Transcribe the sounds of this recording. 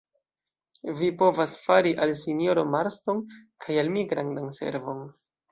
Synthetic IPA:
vipo̞vasfaɾiʔalsinjo̞ɾomaɾsto̞nkʰajalmiɡɾandanse̞̰ɾvo̞n

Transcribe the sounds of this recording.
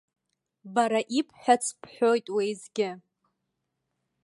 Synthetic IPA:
baɾaʔipʰħʷᶣat͡sʰpʰħʷojtʼwejzɡʲɪ

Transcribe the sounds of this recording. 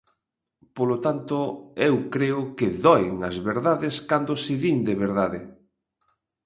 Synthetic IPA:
polot̪ant̪oewkɾeʊkɪðɔɪŋɐzβeɾðaðɪskand̪osɪðiŋd̪eβeɾðaðɪ

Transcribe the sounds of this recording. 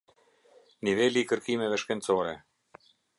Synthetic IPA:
nivelikə̆rkimĕβə̆ʃkĕnʲt͡soɾḛ

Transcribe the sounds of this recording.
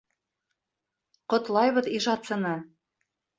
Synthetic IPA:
qŏt̪lˠɑjβɤðiʒɑt̪sɤ̆nɤ

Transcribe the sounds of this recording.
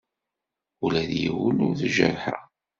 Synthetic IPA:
ulæðjḭwənʊɾθʒə̰ɾħa̰

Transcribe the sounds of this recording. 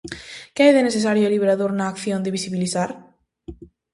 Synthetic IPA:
kɛeðenesθes̬aɾjʊeliβeɾaðoɾnaːkθjond̪eβisiβiliθaɾ

